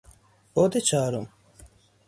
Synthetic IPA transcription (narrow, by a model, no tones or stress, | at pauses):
od̪et͡ɕaːɾum